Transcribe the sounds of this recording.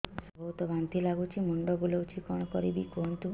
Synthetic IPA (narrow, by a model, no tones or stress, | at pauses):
sɔbʱɔwt̪ɔbant̪ilaɡut͡ʃʰimuɳɖɔbulɔwt͡ʃʰikɔɽ̃ɔkɔɾibikont̪u